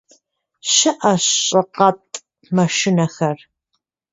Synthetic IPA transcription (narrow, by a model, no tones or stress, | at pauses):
ɕɐʔɐɕʼɨqɐtʼ | mɐʃɪnɐxɐr